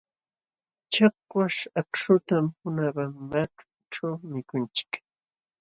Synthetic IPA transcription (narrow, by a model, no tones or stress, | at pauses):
t͡ʃak̚waʃakʂʊt̪amhʊnaɢamːaʈ͡ʂʊ̥ | ʈ͡ʂawmɪkʊnt͡ʃɪ̥k